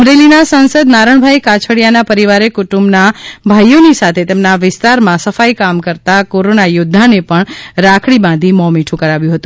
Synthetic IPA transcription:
mɾelinasãnsəd̪naɾəɳ̃bʱajkat͡ʃʰəɽijanapəɾiʋaɾekʊʈumbnabʱajonisat̪ʰet̪emnaʋɪst̪aɾmãsəfajkamkəɾt̪akoɾonajʊd̪ʱːanepəɳɾakʰɭibãnd̪ʱimɔmiʈʰũkəɾaʋjũɦət̪ũ

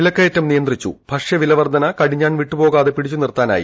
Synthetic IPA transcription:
ilɐkːɐjetːɐmnijɐnd̪rit͡ɕːṵb̥ʱɐʂjɐʋilɐʋɐrd̪ʱɐnɐkɐɽiɲːaːɳʋiʈːupo̞ːɣaːðepiɽit͡ɕːunirt̪aːna̰ːjḭ

